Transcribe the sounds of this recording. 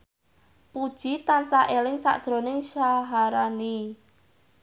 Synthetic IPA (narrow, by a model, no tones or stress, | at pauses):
pud̥ʒ̥it̪ansaʔelɪŋsa̰ʔd̥ʒ̥ɾonɪŋʃaɦaɾani